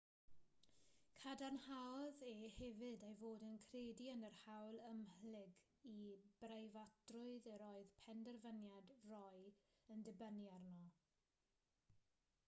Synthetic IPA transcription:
kʰadanhawɔðehɛvɨdejvoːdənkʰreːdiənərhawlˠəmhlɪɡ | ib̥rejvatrʊɨðəɾɔɨðpʰɛndɛrvənjadrɔjəndɪbənjarnɔ

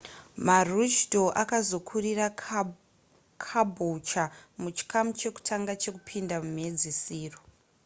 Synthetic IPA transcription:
marut͡ʃdo̞ʔakazo̞kʰurira | kʰabʱut͡ʃamut͡ʃi̥kamut͡ʃe̞ku̥tʰaŋɡat͡ʃe̞kupʰindamum̤e̞d͡zisiːro

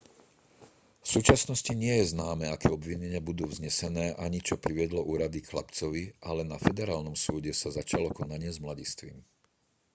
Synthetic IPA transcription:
fsuːt͡ʃasnɔsciɲɪɛjɛznaːmɛːakɛːɔbʋiɲɛɲɪabud̪uːvzɲɛsɛnɛːʔaɲit͡ʃɔpɾiʋɪɛd̪lɔʔuːɾad̪ixla̰pt͡sɔʋiʔalɛnafɛd̪ɛɾaːlnɔmsuːɟɛsazat͡ʃalɔkɔnaɲɪɛzmlaɟist̪ʋḭm

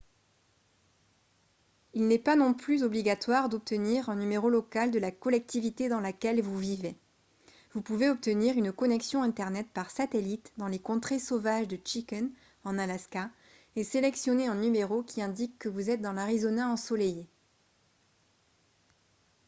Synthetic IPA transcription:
ilnɛpanɔ̃plyzɔbliɡat̪waʁd̪ɔp̚t̪əniʁɛ̃nymeʁolɔkald̪əlakɔlɛk̚t̪ivit̪ed̪ɑ̃lakʲɛlvuvive | vupuveɔp̚t̪əniʁynkɔnɛksjɔ̃ɛ̃t̪ɛʁnɛt̪paʁsat̪elit̪d̪ɑ̃lekɔ̃t̪χesovaʒd̪ət͡ʃikɛn | ɑ̃nalaska | eselɛksjɔneɛ̃nymeʁokʲiɛ̃d̪ikːəvuzɛt̪̚d̪ɑ̃laʁizɔnaɑ̃sɔleje

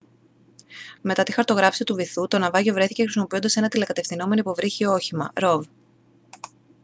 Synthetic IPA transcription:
me̞t̪ɐt̪ixɐɾt̪o̞ɣɾɐfsit̪uviθut̪o̞nɐvɐʝovɾe̞θi̥cexɾisimo̞pio̞nd̪ɐse̞nɐt̪ilekɐt̪e̞fθino̞me̞noipovɾiçio̞çimɐ̰ɾo̞v

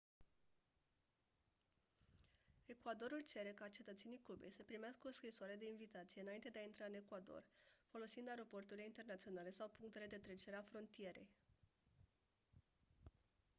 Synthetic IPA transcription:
e̞kwad̪o̞ɾult͡ʃe̞ɾe̞kat͡ʃe̞t̪ət̪se̞nikube̞jsəpɾimeaskəoskɾisoaɾe̞d̪e̞invit̪at̪sijeɨnaint̪eeaint̪ɾaɨne̞kwad̪o̞̰rfo̞lo̞sind̪aeɾo̞po̞rt̪uɾileint̪e̞rnat̪sio̞nale̞sawpuŋk̚t̪e̞le̞d̪e̞t̪ɾe̞t͡ʃeɾeafɾo̞nt̪ije̞ɾe̞̰j

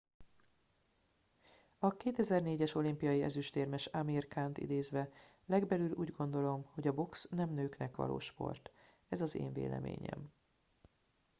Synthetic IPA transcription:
ɒkeːt̪ɛzɛrneːɟɛʃo̞limpijɒjiɛ̰zyʃt̪eːrmɛʃamirkant̪ḭd̪eːzʋɛ | lɛɡbɛlylʔuːɟɡo̞nd̪o̞lo̞mho̞ɟɒbo̞ksnɛmnøːknɛkʋɒ̰lo̰ːʃpo̞̰rt̪ | ɛzɒzḛːɱvḛːlɛ̰mḛːɲɛ̰m

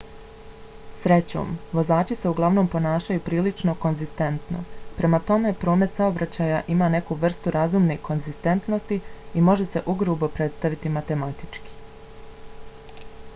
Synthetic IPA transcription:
sɾe̞t͡ɕo̰ːmʋo̞zaːt͡ʃise̞uɡlˠaʋno̞ːmpo̞naːʃajupɾiːlit͡ʃno̞ko̞nzist̪e̞nt̪no̞̰pɾe̞mat̪o̞me̞pɾo̞ːme̞t̪sao̞bɾat͡ɕajaʔimaːne̞kuʋr̩st̪uɾazuːmneko̞nzist̪e̞nt̪no̞st̪iimo̞ʒe̞se̞ʔuɡɾubo̞pɾe̞t̪st̪aʋit̪imat̪e̞mat̪i̥t͡ʃki̥

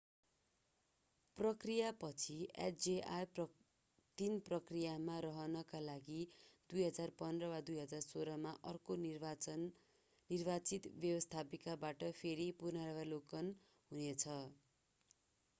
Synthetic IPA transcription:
prʌkrijapʌt͡sʰia̰ʈd͡zeʔajp | t̪inprʌkrijamaɾʌɦʌnʌkalaɡid̪ujɦʌd͡zarpʌnd̪rʌwad̪ujɦʌd͡zarsoɾʌmaʔʌrko | nirbat͡sit̪bjʌbʌst̪ʰapikabaʈʌpʰeɾipunaɾʌβalokʌn | ɦunet͡sʰʌ

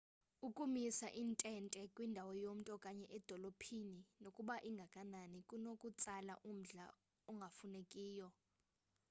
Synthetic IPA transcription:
ukʼumisaʔintʼɛntʼɛkʼwindʱawɔjom̩tʼɔkʼaɲɛʔɛd̥ʱɔlopʰininokʼuɓaʔiŋɡʱakʼananikʼunokʼut͡sʼala̰ʔum̩ɮa̰ | ɔŋɡʱafunekʼiːjɔ

